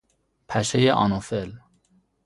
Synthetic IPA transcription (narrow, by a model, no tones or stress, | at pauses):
pʰæʃejeʔɒ̰nofel